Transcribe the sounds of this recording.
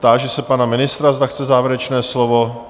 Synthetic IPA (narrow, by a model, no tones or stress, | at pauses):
d̪aːʒɛsɛpanamɪnɪst̪ɾazd̪axt͡sɛzaːvɛɾɛt͡ʃnɛːslovo̞